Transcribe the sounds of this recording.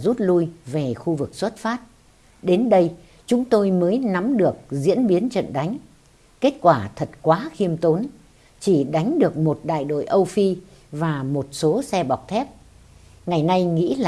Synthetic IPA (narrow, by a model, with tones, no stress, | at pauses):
zu˦˥t̚lu˧jve˨˩xu˧vɨ˨˩k̚swə˦˥t̚faː˦˥t̚ | ɗe˨˦nɗə˧j | t͡ɕʊ˨˦ŋ͡mt̪o˧jməː˨˦jna˨˦mɗɨ˨˩ək̚zḭ˧˥ənɓi˨˦ənt͡ɕə̰˧˨nɗa˨˦jŋ̟ | ke˦˥t̚kwaː˧˩t̪ʰə˨˩t̚kwaː˨˦xi˧əmt̪o˨˦n | t͡ɕi˧˩ɗa˨˦jŋ̟ɗɨ˨˩ək̚mo˨˩t̚ɗa̰ː˧˨jɗo̰˧˨jʔə˧wfi˧ | vaː˨˩mo˨˩t̚so˨˦sɛ˧ɓa˨˩wk͡p̚t̪ʰɛ˦˥p̚ | ŋa˨˩jna˧jŋḭ˧˥l